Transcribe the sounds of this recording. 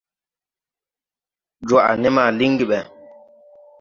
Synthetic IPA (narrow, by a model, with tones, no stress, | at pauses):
d͡ʒwa˨ʔa̰˨nɛ˦ma˨li˦ŋɡi˨ɓɛ˨